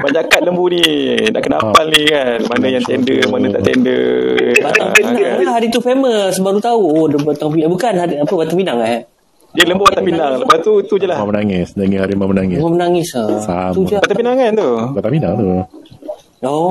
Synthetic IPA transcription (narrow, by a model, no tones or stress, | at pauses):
baɲakat̪̚ləmbuni | na̰ʔkəna̰palnikanmanəjaŋt̪ɛndəmanəa̰ʔt̪ɛ̰ndə̰baʔt̪aŋinaaɦaɾit̪ufeməsəbaɾut̪auodəbat̪aŋp̬iabukanɦaɾiapəbat̪aŋpinaŋla | diələmbuat̪apinaŋləpast̪ut̪ud͡ʒalahmamənaŋɪsdaŋihaɾimamənaŋɪmamənaŋɪsasamud͡ʒbat̪apinaŋant̪ubat̪ampinaŋt̪u | o